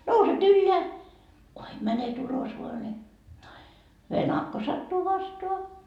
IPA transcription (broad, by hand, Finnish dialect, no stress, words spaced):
nouset ylːeæ kuim mænet ulos ʋoɑ ne ʋenɑkːo sɑtːuː ʋɑstoɑ